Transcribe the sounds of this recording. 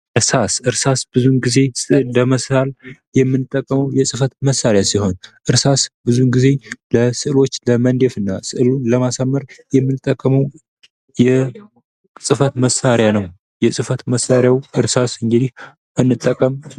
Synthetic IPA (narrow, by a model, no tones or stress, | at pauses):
ʔɨɾsasɨɾsasb̥ɨzunɡize̞sʼɨʔd̪əməsal | jɛmːɨnːɨt̪ʼːəkʼːəməwjɛsʼɨfət̪məsːaɾjasiho̞nʔɨɾsasbɨzuɡize̞ləsɨʔɨlo̞t͡ʃːləmənd̪e̞fɨnːasɨʔɨlunləmasamːəɾjɛmːɨnɨt̪ʼːəkʼːəməw | jɛ | sʼɨfət̪məsaɾjanəw | jɛsʼɨfət̪məsːaɾjawɨɾsasɨŋɡɨd̪ih | ʔɨnːɨt̪ʼːəkʼːəm